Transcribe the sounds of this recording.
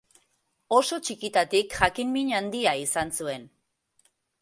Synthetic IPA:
o̞so̞t͡ʃikit̪at̪ikʝakimmiɲand̪iaisansue̞n

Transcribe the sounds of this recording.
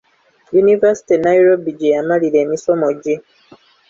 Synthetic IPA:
junivasi̥tinaiɾobiɟejamalile̞ːmiso̞moɟe

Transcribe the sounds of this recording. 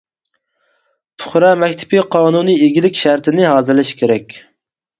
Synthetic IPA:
t̪ʰʊ̥χɾɑmɛkʲt̪ʰɪ̥piqʰɑːnunieɡʲilɪkʲʃæɾt̪ʰɪnɪɦɑːzɨɾlɪʃkʲʰeɾɛkʲ

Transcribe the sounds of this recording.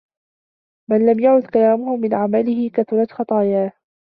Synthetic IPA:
manlamjaʕʊd̪kalaːmʊhʊmɪnʕamalɪhɪkaθʊɾˤɑt̪xɑt̪ˤɑːjaː

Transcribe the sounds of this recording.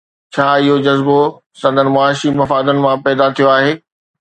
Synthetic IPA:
t͡ɕʰaːɪɦod͡ʑɐzbo | sɐ̃nd̪ənɪ̆mʊaːɪʃimɐfaːd̪ənɪ̆mãpɛːd̪at̪ʰijoaːɦeː

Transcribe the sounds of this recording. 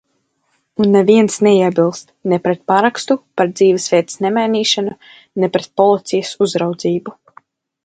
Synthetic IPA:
unːɛviɛnsnɛiɛbilˠst̪nɛpɾɛt̪̚paɾakst̪upaɾd̪ziːvɛsvʲiɛt̪ə̥snɛmajniːʃanu | nɛpɾɛt̪̚pɔlˠit̪sijəsuzɾawd̪ziːbu

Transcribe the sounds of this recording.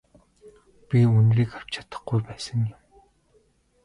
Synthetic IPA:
pʲiunriːkaw̥t͡ɕʰḁt̪ə̆χɡujpæːsə̆ŋjʊm

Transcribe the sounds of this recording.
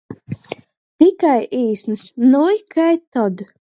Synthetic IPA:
t̪ikajʔiːsnɨsnujkʰajt̪ɔd̪

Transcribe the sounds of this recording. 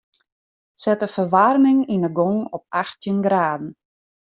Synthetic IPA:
sɛtəfərʋarmɪŋinəɡɔŋɔp̚axtjənɡraːdn̩

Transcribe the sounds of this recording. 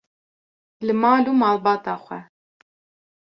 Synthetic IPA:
lɨmɑːlumɑːlˠbɑːt̪ɑːχʷɛ

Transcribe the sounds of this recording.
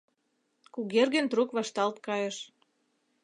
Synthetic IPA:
kuɣerɣənt̪rukβɑʃt̪ɑlt̪̚kɑjeʃ

